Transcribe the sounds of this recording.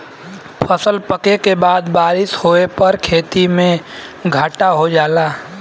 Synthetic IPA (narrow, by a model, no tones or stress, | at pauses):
pʰəsəlpəkekebaːd̪baːɾɪshoːepəɾkʰeːt̪imẽ | ɡʱaːʈaɦod͡ʒaːlaː